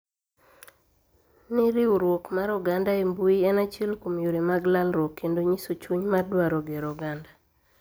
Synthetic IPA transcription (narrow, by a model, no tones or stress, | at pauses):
nɪɾiuɾwokmaɾɔɡandaembuiɛnat͡ʃelkomjoɾemaɡlalɾwokːendoɲisot͡ʃuɲmadwaɾoɡeɾɔɡanda